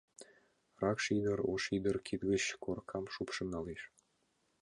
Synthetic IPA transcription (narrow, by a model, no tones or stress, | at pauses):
rɑkʃid̪əɾo̰ʃid̪ərkʰit̪ɣət͡ɕkorkʰɑmʃupʃə̆nɑleʃ